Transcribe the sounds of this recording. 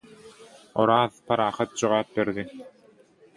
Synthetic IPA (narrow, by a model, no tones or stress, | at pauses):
ɔ̰ɾaːθpaɾaːχɯt̪̚t͡ɕuʁaːp̚bɛɾd̪i